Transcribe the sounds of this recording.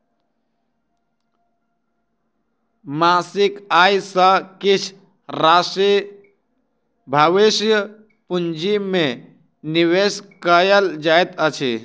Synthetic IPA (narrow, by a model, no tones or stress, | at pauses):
masikajsə̃kit͡ʃʰ | ɾasi | bʱaʋisjə | pund͡ʒime | niweskəjəld͡ʒaet̪ət͡ʃʰi